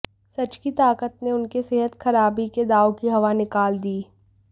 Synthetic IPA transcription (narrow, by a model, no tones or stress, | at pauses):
sɐt͡ʃkit̪aːkət̪neʊnkeseɦət̪xɐɾaːbiked̪aːokiɦɐʋanɪkaːld̪iː